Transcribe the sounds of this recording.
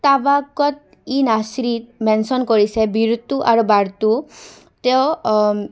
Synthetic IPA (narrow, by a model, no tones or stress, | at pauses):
t̪abakɔt̪ | inasɾit̪mɛnsɔnkɔɾisebiɾt̪uʔa̰ɾubaɾt̪u | t̪eo